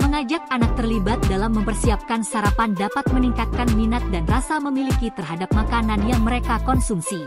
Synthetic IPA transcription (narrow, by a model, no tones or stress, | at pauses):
məŋad͡ʒak̚anak̚t̪ərlibat̪̚dalamːəmpərsiap̚kansaɾapandapat̪̚məniŋkat̪̚kanminat̪̚danrasaməmilikit̪ərɦadap̚makananjaŋməɾekakɔnsumsi